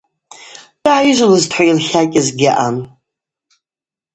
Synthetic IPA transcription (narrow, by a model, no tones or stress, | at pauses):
d̥aʕajɪʒʷlɨztʰħʷajilχʲakʲʼɪzɡʲɪʔan